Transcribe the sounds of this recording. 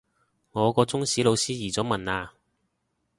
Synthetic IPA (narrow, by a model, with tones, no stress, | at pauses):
ŋɔː˨˧kɔː˧t͡sʊ˥ŋsiː˨˥lo˨˧wsiː˥jiː˨˩t͡sɔː˨˥mɐ˨naː˧